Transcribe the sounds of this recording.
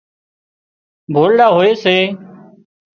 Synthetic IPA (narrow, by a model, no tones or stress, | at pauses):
bʱoːɽɗaːɦoːeːseː